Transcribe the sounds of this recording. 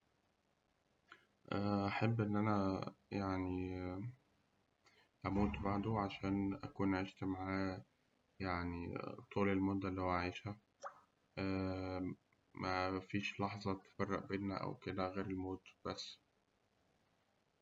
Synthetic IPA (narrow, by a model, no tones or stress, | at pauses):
ʔæʔaħebːʔenːʔænæjaʕni | ʔæmuːt̪baʕd̪oʕaʃæːnʔæ̰kuːnʔaʕiʃt̪maʕaː | jaʕnit̪ˤuːlelmod̪ːælːihowæʕiːʃhæ | ʔæ | mʔæfiːʃlɑħzˤɑt̪e̥fɑrˤːɑʔbeːnːæ̰ʔæ̰wked̪æɣeːɾelmoːt̪b̥æsː